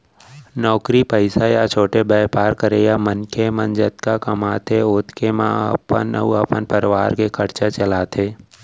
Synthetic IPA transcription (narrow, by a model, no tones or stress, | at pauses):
nɔːkɾipəɪsajat͡ʃʰoːʈebɛːpaːɾkəɾeːjamənkʰemə̃nd͡ʒət̪kakɐmaːt̪ʰeoːt̪kemã̰ə̰pə̰nə̰uəpənpəɾʋaːɾkekʰəɾt͡ʃat͡ʃəlaːt̪ʰeː